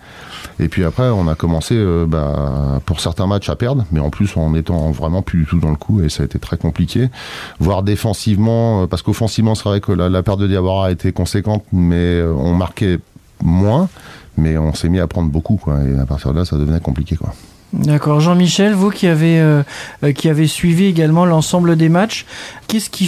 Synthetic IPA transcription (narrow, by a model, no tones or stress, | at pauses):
ḛpɥiapχɛɔ̃nakɔmɑ̃seøba̰puʁsɛʁt̪ɛ̃mat͡ʃapɛʁd̪ʁmɛɑ̃plysɑ̃net̪ɑ̃vʁɛmɑ̃plyd̪yt̪ud̪ɑ̃ləkʰuesaet̪et̪χɛkɔ̃plikʲʰevwaʁd̪efɑ̃sivmɑ̃øpaʁsə̥kofɑ̃sivmɑ̃sʁaɛkəlalapɛʁd̪ːəd̪jabwaʁaet̪ʰekɔ̃sekɑ̃t̪mɛøɔ̰̃maʁkʲɛ | mwɛ̃mɛɔ̃sɛmiapχɑ̃d̪ʁbokukwa̰ḛa̰paʁt̪iʁd̪əlasad̪əvənɛkɔ̃plikʲekwa̰ | d̪akɔʁʒɑ̃miʃɛlvukʲʰiaveøkʲiavesɥivieɡalmɑ̃lɑ̃sɑ̃bləd̪emat͡ʃkɛskʲʰi